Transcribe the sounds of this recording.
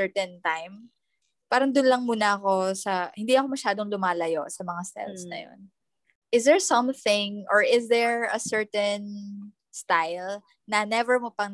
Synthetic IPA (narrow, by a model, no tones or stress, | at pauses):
ɛɹt̪ɛnt̪ajm | paːɾɐnd̪ʊnlɐŋmuːnɐʔɐko̞sɐhɪnd̪iɐko̞mɐʃaːd̪o̞ŋlʊmaːlɐjo̞̰sɐmɐŋast̪ɛ̰lsnɐ̰jo̰n | ʔɪsd̪ɛɹsɐ̃mθɪ̃ŋʔɔɹʔɪsd̪ɛɹɐsɛɹt̪ɛn | st̪ajl | nɐnɛvɛɹmopɐŋn